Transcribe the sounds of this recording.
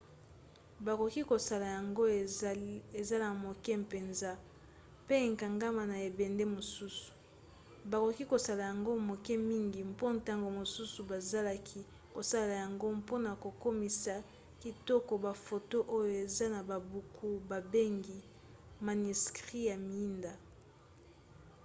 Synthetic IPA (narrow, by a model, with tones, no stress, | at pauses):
ba˨ko˨ki˦ko˨sa˨la˨ja˨ŋɡo˦ | e˨za˦la˨mo˨kɛ˦m˨pe˨nza˦ | pe˦e˨ŋka˨ŋɡa˦ma˨na˨e˨bɛ˨nde˦mo˨su˦su̥˨ | ba˨ko˨ki˦ko˨sa˦˨la˨ja˨ŋɡo˦mo˨kɛ˦mi˦ŋɡi˨mpo˦nta˦ŋɡo˨mo˨su˦su˨ba˨za˦la˦kʰi˦ | ko˨sa˦la˨ja˨ŋɡo˦mpo˦na˨ko˨ko˦mi˨sa˨ | ki˨tɔ˦kɔ˨ba˨fo˨to˦ʔo˦jo˨e˨za˦na˨ba˨bu˨kʰu˦ba˨be˦ŋɡi˨ | ma˨ni˨skʁi˦ja˨mi˨i˦nda˨